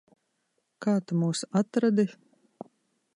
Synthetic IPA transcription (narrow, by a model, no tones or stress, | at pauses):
kaːt̪umuːsat̪ɾad̪i